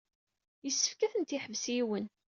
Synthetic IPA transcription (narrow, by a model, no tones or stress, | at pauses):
jəsːə̥fkæθənt̪iħəvsiwən